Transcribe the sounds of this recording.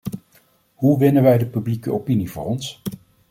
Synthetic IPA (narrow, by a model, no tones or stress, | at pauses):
ɦuʋɪnəʋɛjdəpyblikəʔopinivʊ̰ːrɔns